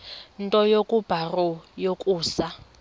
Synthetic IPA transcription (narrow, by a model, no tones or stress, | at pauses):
ntʼɔjokʼub̥ʱarɔjokʼuːsa